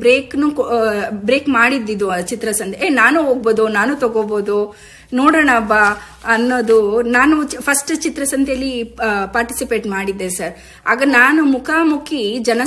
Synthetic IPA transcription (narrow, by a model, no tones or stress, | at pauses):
bɾeːknukbɾeːkmaːɽid̪ːid̪ut͡ʃit̪ɾɐsɐnt̪ʰeenaːnuɦoːɡ̚boːd̪unaːnuːt̪ɐɡoboːd̪u | noːɽɐːɳɐbːa | ɐnːoːd̪unaːnupʰɐsʈt͡ʃit̪ɾɐsɐnt̪ʰjɐlːipaːɾʈi̥sipeːʈmaːɽid̪ːesɐɾ | a̰ːɡɐnaːnumukʰaːmukʰid͡ʒɐnɐ